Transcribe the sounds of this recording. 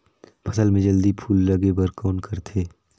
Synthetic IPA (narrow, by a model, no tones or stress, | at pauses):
pʰɐsəlmẽd͡ʒəld̪ipʰuːlːɐɡebəɾkɔːnkʰɐɾt̪ʰeː